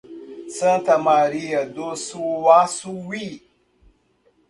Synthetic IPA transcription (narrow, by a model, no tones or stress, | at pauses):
t͡sə̃t̪amaɾijad̪osuwasuwi